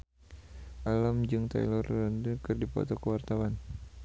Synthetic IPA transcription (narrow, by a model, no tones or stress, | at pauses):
ʔalamd͡ʒɨŋt̪a̰jlɔrːəndəkɨrdipɔ̰t̪ɔkəwart̪awan